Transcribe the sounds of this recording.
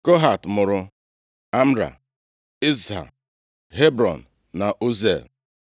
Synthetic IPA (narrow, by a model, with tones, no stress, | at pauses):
ko˦ɦa˨tmʊ˨ɾʊ˨ | a˦m̩˦ɾa̰˨ | i˦zɦa̰˨ | ɦe˦bɾɔ̰˨n̩˨ | na˨ʔo˦zḛ˨l